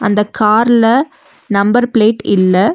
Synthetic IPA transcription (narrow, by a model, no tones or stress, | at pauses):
ɐnd̪ɐkaːɾlɐ | nɐmbɐɾpɪɭeːʈɪlːɐ